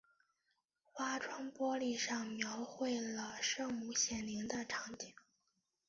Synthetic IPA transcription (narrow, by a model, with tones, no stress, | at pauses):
xwa˥ʈ͡ʂʰwa˥ŋpwɔ˥li˥˩ʂɑ˥˩ŋmjɑ˧˥ʊxwe˥˩ɪlə˩ʂɤ˥˧ŋmu˥˩ɕjɛ˨˩nli˧˥ŋd̪ə˧ʈ͡ʂʰɑ˧˥ŋt͡ɕi˥˩˦ŋ